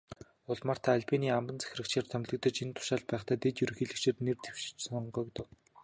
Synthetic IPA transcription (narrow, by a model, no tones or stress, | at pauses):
ʊɮmaːr̥t̪ʰaːɮʲpʰiniːampə̆nt͡sæ̥xʲrɘ̆kt͡ɕʰeːr̥t̪ʰœmʲɮɘ̆k̚t̪ə̆t͡ɕint̪ʰʊ̥ʃaːɮ̚pæːχt̪ʰaæːt̪et̪jɵɾɵ̆xiɮɘ̆kt͡ɕʰernert̪ewʃt͡ɕsɔɴɢœːkt̪ɘ̆w